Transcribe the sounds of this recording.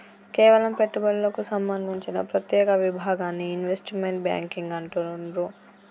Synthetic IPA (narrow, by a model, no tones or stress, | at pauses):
kɛːʋɐlɐmpeʈːubɐɭlɐkusɐmbɐnd̪ʱiɲt͡ʃinɐ̰pɾɐt̪jɛːkɐʋibʱaːɡaːnːiːnʋesʈmeɳʈbja̰ːŋkiŋɡɐɳʈunɾu